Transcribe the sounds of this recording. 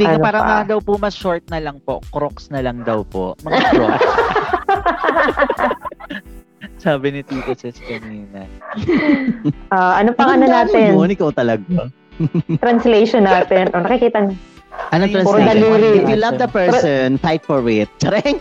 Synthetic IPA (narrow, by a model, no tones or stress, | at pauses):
t̪inɐpaːɾɐmɐd̪ɐwpʊmɐʃoɹt̪̚nɐlɐŋpokɾoksnɐlɐŋd̪ɐwpo̰mɐŋo | saːbɪnɪt̪iːt̪ɐsɛskɐniːnɐ | ʔaʔɐnopɐŋɐnonaːt̪ɪnnɪkɐwt̪ɐlɐɡa | t̪ɾɐnslejʃonːaːt̪ɛnʔonɐkɪkiːt̪ɐn | ʔɐnɐɾɐnd̪ɐliɾiɪfjulɐvd̪ɐpɛɹsɔnfajt̪̚fɔɹwet̪̚t͡ʃɐɾɛŋ